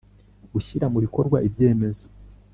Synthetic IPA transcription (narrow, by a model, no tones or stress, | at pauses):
ɡuʃiɾamuβiko̞ɾɡwa̰ʔibje̞ːme̞zo̥